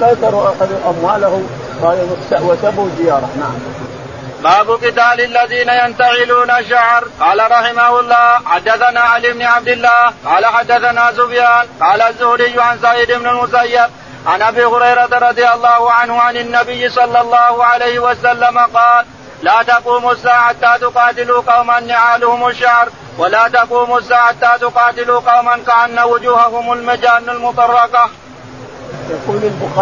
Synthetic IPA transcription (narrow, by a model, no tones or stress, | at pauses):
kajt̪ˤɑɾuːʔaxad̪uʔamwaːlahʊ | kajansawasabuwzɪjɑːɾˤɑnaʕa̰m | baːbʊqɪt̪aːlɪlːaðiːnajant̪aʕɪluːnaʃaʕɾˤqɑːlaɾˤɑħɪmahʊlˤːɑːħad̪ːaθanaːʔaliːɪbnɪʕab̚d̪ɪlːaːhqɑːlaħad̪ːaθanaːzʊbjaːnqɑːlaːzːʊhɾɪjːʊʕansaʕɪd̪ɪbnʊlmʊsajːab̚ | ʕanʔabiːhʊɾɑjɾˤɑt̪aɾˤɑd̪ˤɨjɑlˤːɑːhʊʕanhʊʕanɪnːabɪjːɪsˤɑlːɑlˤːɑːhʊʕalejhɪwasalːamaqɑːl | laːt̪ɑquːmʊsːaːʕat̪ːaːt̪ʊqɑːt̪ɪluqɑwmanːɪʕaːlʊhʊmaʃːahɾ | walaːt̪ɑquːmʊsːaːʕat̪ːaːt̪ʊqɑːt̪ɪluːqɑwmankaʔanːawʊd͡ʒuːhahʊmalmad͡ʒaːnːalmʊt̪ˤɑrˤːɑka